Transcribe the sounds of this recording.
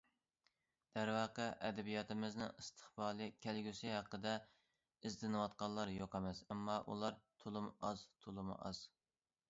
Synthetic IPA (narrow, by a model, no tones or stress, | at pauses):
d̪̥æɾwɑqəʔɛd̪ɛbijɑt̪ʰɪmɪznɨ̰ŋɨst̪ʰə̥χbɑːlˠɨkʲʰælɡʲysɪɦæqːəd̪ɛ | ɪzd̪ɪnɨwɑt̪̚qɑlˠːɑɾjoqɛmɛsɛmːɑʔṵlˠɑɾt̪ʰolˠɨmʔɑzt̪ʰolˠɨmṵʔɑ̰z̥